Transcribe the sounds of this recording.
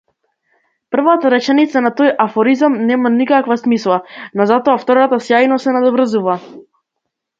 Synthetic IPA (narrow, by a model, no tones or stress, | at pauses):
pr̩vat̪aɾɛt͡ʃɛnit̪sanat̪ɔjafɔɾizamnɛmanikakvasmislˠanɔzat̪ɔaft̪ɔɾat̪asjajnɔsɛnad̪ɔvɾəzuva